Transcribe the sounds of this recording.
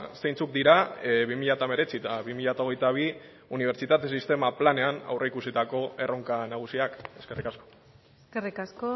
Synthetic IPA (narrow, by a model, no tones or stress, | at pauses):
se̞jnt͡suk̚d̪iɾaβimiʎat̪ame̞ɾe̞t͡sit̪aβimiʎat̪ao̞ɣ̞e̞jt̪aβ̞i | uniβe̞ɾt͡ʃit̪at̪e̞sist̪e̞maplane̞ana̰wreikusit̪ako̞e̞rʔo̞ŋkanaɣ̞usiake̞ske̞rikasko̞̥ | skerikasko